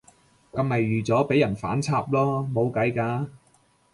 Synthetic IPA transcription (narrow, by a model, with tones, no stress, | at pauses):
kɐ˧mɐ˨jːyː˨t͡sɔː˨˥pe˨˥jɐ˨˩nfa̰ː˨˥nt͡sʰaː˧p̚lɔː˥mo˨˧wkɐ˨˥jkaː˧